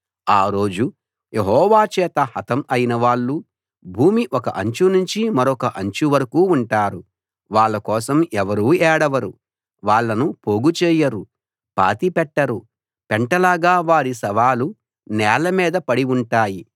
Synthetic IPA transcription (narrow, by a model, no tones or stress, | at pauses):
aːɾo̞ːd͡ʒu | jeɦɔːʋaːt͡ʃɛːt̪ɐhɐt̪ɐmɐjinɐʋaːɭːu | bʱuːmiʔɔkɐʔɐɲt͡ʃunuɲt͡ʃimɐɾɔkɐʔɐɲt͡ʃuʋɐɾɐkuːɳʈaːɾu | ʋaːɭːɐkɔːsɐmɛʋɐɾuːɛːɽɐʋɐɾu | ʋaːɭːɐnupoːɡut͡ʃɛːjɐɾu | pa̰ːt̪ipɛʈːɐɾu | pɛɳʈɐlaːɡaːʋaːɾisɐʋaːlu | nɛːlɐmiːd̪ɐpɐɽiuɳʈaːji